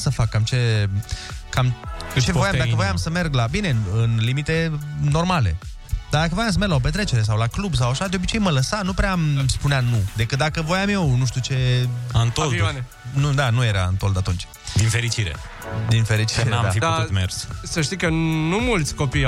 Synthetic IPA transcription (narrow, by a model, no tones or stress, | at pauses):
səfakːamt͡ʃe̞ | kamt͡ʃe̞vojamd̪akəvo̞jamsəme̞rɡlabine̞ɨnlimit̪e̞no̞rmale̞̰ | d̪ad̪akəvojams̬əme̞rɡlaop̬e̞t̪ɾe̞t͡ʃe̞ɾe̞s̬awlaklubs̬awaʃad̪eobit͡ʃejmələsanupɾeamspuneanud̪e̞kɨt̪̚d̪akəvo̞jamje̞wnuʃt̪ut͡ʃe̞ant̪old̪ane | nud̪anujeɾa̰ɨnt̪o̞ld̪at̪unt͡ʃʲ | d̪infeɾit͡ʃiɾḛ | d̪infe̞ɾit͡ʃiɾeeaa̰ʃid̪aut̪mḛrssəʃt̪ikənumult̪sʲko̞pij